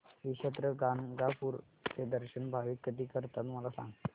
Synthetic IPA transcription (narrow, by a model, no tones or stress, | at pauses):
ɦiɕət̪ɾəɡanɡapuːɾ | t͡sed̪əɾɕənbʱaʋiːkːəd̪iːkəɾt̪at̪m̤əlasã̰ŋɡt̪